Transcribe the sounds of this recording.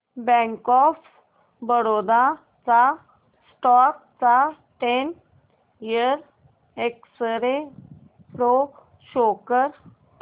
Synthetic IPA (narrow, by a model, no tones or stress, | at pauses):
bɛ̃ŋkɔf | bəɽod̪a | t͡sa | sʈɔk̚t͡sa | ʈen | iəɾ | eksəɾe | pɽo | ɕokəɾ